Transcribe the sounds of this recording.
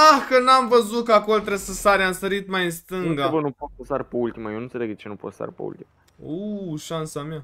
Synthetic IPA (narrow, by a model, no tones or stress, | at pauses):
ahkənamvəzut̪̚kəako̞lt̪ɾesəsaɾeamsəɾit̪majɨnst̪ɨŋɡabənupot̪̚əsaɾpeult̪imajenɨnt̪seleɡd̪et͡ʃenupot̪sa̰rpḛṵlt̪ima | oʃansama